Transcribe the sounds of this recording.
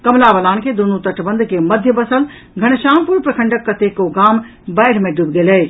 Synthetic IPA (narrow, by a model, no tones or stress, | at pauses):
kɐmlabəlaːnked̪unut̪əʈʰbə̃nd̪ʱkeməd̪ʱjəbəsəl | ɡʱɐɽ̃ʃaːmpuɾpɾəkʰə̃ɳɖəkːət̪ekoɡaːm | bɐɪɽ̤mẽɖubɡeleː